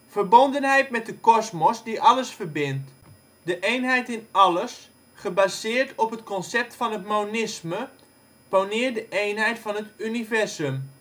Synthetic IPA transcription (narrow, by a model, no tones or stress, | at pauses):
fərbondənɦɛjtmɛt̚dəkɔsmɔsdiʔɑləsfərbɪnt | dəʔejnɦɛjtɪnɑləs | χəbaːzɪːrtʰɔpɦətkɔnsɛp̚tfɑnətmownɪsmə | pownɪːədəʔejnɦɛjtfɑnətynivɛrsəm